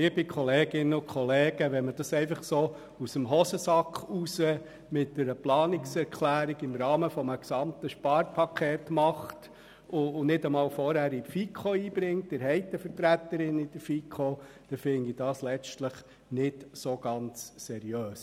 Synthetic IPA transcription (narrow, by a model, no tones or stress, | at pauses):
libikʰɔleːɡ̥ɪnəʊkχɔleːɡ̥əʋɛnməd̥ɑsɛɪfɑχsoː | usəmɦɔsəsɑkχusə | mɪtdəɾəplɑːnɪksɛɾkʰlæːɾiɡɪmɾɑːməfɔməksɑmt̪əʃpɑɾpʰɑkʰχeːtmɑχt | ʊːnɪdəmɑːlfɔɾhæɾifikʰχoiːb̥ɾɪŋt̚dɪɾɦɛɪt̪əfəɾtɾæt̪əɾɪnid̥əɾfikʰo | d̥ɛfɪndid̥ɑːslɛstləχ | nɪtsoɡ̥ɑnt͡ssɛɾiøːs